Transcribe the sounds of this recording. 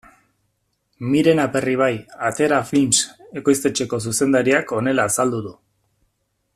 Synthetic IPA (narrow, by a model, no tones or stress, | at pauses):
miɾe̞nape̞riβ̞ajat̪e̞ɾaflinse̞ko̞jst̪e̞t͡ʃe̞ko̞s̬use̞nd̪aɾiako̞ne̞laːsald̪uðu